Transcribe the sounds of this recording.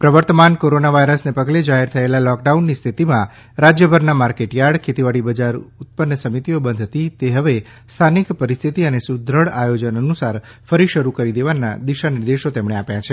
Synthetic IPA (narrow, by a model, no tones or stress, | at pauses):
pɾəʋəɾt̪əmankoɾonaʋajɾəsnepəɡled͡ʒaɦeɾt̪ʰəelalɔk̚ɖaunːist̪ʰit̪imã | ɾad͡ʒjəbʱəɾnamaɾkeʈjaɽkʰet̪iʋaɽibəd͡ʒaɾʊt̪̚pənːəsəmit̪iobənd̪ʱət̪it̪eɦəʋe | st̪ʰanikpəɾist̪ʰit̪iənesud̪ʱɾəɭajod͡ʒənənusaɾ | fəɾiʃəɾukəɾid̪eʋanːa̰d̪iʃaniɾd̪eʃot̪emɳ̃eapjat͡ʃʰe